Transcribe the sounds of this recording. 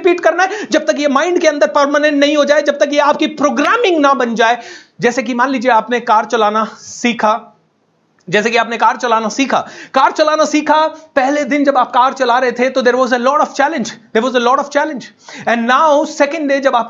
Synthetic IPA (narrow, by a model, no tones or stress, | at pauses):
piːʈkɐɾnaɛd͡ʒɐb̚t̪ɐkjemãːɪ̃ɳɖkeɐ̃nd̪əɾpəɾmənə̃ɳʈnɐɦĩɦod͡ʒaːed͡ʒɐb̚t̪ɐkjeaːp̚kipɾoːɡɾaːmɪ̃ŋɡnɐbɐ̃nd͡ʒaːe | d͡ʒɛːsekimãːnliːd͡ʒieaːpnekaːɾt͡ʃɐlaːnasiːkʰa | d͡ʒɛːsekiaːpnekaːɾt͡ʃɐlaːnasiːkʰakaːɾt͡ʃɐlaːnasiːkʰapɛɦled̪ɪ̃nd͡ʒɐbaːp̚kaːɾt͡ʃɐlaːɾɐɦet̪ʰet̪od̪eːɾʋɔːzəlɔːʈɔʋt͡ʃɛːlɪ̃nd͡ʒd̪eːɾʋɔːzəlɔːʈɔʋt͡ʃɛːlɪ̃nd͡ʒ | ɛ̃nɖnaːʊsɛkə̃ɳɖɖeːd͡ʒɐbaːp